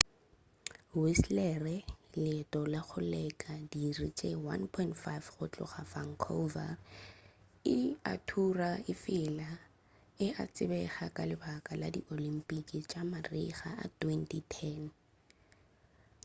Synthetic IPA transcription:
wislɛrɛlɪtʼɔlaχʊlɛkʼadirit͡ʃʼewa̰npʰɔɪntfajfχʊt͡ɬʼʊ̰χafaŋ̩kʰo̰va̰r | ɪa̰tʰuraɪfɪla | ɪat͡sʼɪbɛχakʼalɪbakʼala̰diʔolim̩pʼikʼit͡ʃʼamariχa̰ʔa̰tʰwɛntʰitʰɛn

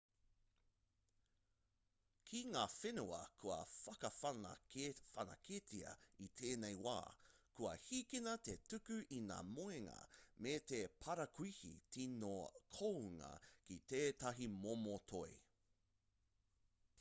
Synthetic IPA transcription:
kʰiŋaːfenuɐ̰kʰuɐ̰fɐkɐfɐnɐ̰fɐnɐ̰kʰetiɐ̰it̪ʰeːnejwa̰ːkuɐ̰hiːkinɐtetʉkʉʔina̰ːmoeŋɐ̰met̪epʰɐɾɐkʰuihḭtinokʰoŋɐ̰kit̪eːtɐɦimomotʰoe

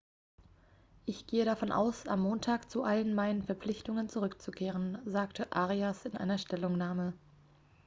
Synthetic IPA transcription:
ʔɪçɡ̥eːəɾafɔnʔa̰ʊsa̰mːoːntʰaːkt͡suʔalənmaɪnənfɛɐp͡flɪçtʊŋənt͡suʁʏkt͡sukʰeːʁ̞ənzaːktʰəʔaːʁiasɪnʔa̰ɪnɐʃtɛlʊŋnaːmə

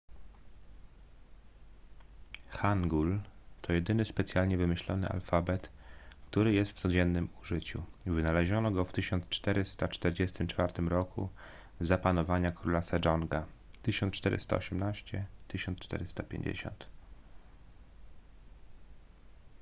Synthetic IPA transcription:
xaŋɡult̪ʰɔjɛd̪ɘnɘspɛt̪sʲjalɲɛvɘmɘɕlɔnɘ̰ʔa̰lfabɛt̪kt̪uɾɘjɛst̪ft̪sɔd͡ʑɛnːɘmuʐɘt͡ɕṵvɘnalɛʑɔnɔɡɔft̪ɘɕɔnt̪st͡ʂt̪ɛɾɘst̪at͡ʂt̪ɛɾd͡ʑɛst̪ɘmt͡ʂfaɾt̪ɘmɾɔkʰṵ | zapanɔvaɲakɾulasad͡ʐɔŋɡat̪ɘɕɔnt̪t͡ʂt̪ɛɾɘ̰st̪a̰ɔ̰ɕɛmnaɕt͡ɕɛt̪ɘɕɔnt̪st͡ʂt̪ɛ̰ɾɘst̪apʲjḛɲd͡ʑḛɕɔ̰nt̪

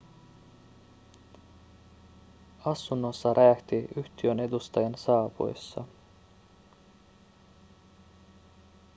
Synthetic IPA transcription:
ɑsːunːo̞sːɑɾʔæːht̪iyht̪iø̞ne̞d̪ust̪ɑjɑnsɑːpṵjsːɑ̰

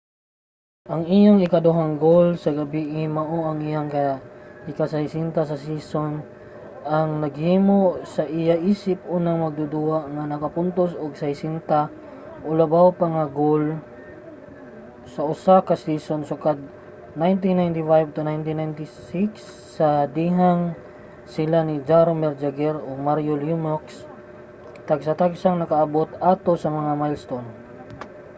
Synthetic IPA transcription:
ʔɐŋijaŋɪkad̪ʊɦaŋɡolsɐɡɐbiʔɪmaʔoʔaŋijaŋkaɪkasajsint̪as̬ɐs̬ison | aŋnɐɡhiːmosaʔɪjaʔiːsɪp̚unaŋmɐɡ̚d̪ʊd̪uaʔŋanɐkapʊnt̪osʊɡsajsint̪a | ʔʊlabawpaŋaɡol | sɐʔʊsakɐsisonsʊkad̪̚ | najnt̪̬inːajnt̪ɪfajb̚t̪ʊnajnt̪inajnt̪ɪsiksː | ɐd̪iɦaŋ | sɪlanid͡ʒaɾomɛɾd͡ʒaɡɛɾomaɾjoljumoks | t̪aɡsat̪aɡsaŋnɐkaʔɐbot̪at̪osɐmɐŋamajlst̪on

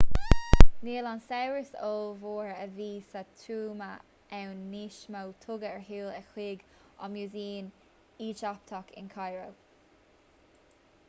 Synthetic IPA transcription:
neːlansɛwɹəsoːlvoːɹəviːsat̪ʰuːma | ʔɛwnːiːʃmawt̪ʰʊɡəəɹɦiːlɛxʰwiːɡ | ɔ̰mjuːziːn | iːt͡ʃap̚t̪ʰɔkɪ̰nkʰajɹow

